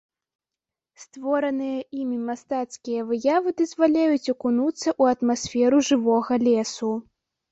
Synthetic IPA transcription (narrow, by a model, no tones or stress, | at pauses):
st̪vɔɾɐnɨjɐʔimʲimast̪at̪skʲijɐvɨjavɨd̪ɐzʲvalʲajut͡sʲikunut̪sːɐʔuɐt̪masʲfʲɛɾuʐɨvɔɣɐlʲɛsu